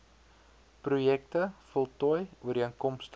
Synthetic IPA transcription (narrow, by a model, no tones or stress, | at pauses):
prujɛk̚təfɔlˠtɔjuərdiəŋkɔmst